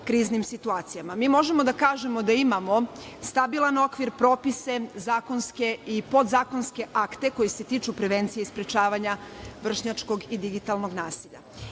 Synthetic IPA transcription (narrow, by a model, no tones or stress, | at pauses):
kɾiːznimsit̪uaːt̪sijamamiːmo̞ʒe̞mo̞d̪akaːʒe̞mo̞d̪aimamo̞ | st̪abilˠano̞kʋiɾpɾo̞ːpise̞zaːko̞nske̞ipo̞d̪zaːko̞nske̞ʔakt̪e̞ko̞jise̞t̪iːt͡ʃupɾe̞ʋe̞nt̪sijeispɾet͡ʃaːʋaɲaʋr̩ʃɲat͡ʃko̞ɡid̪iɡit̪alˠno̞ɡnaːsiʎa̰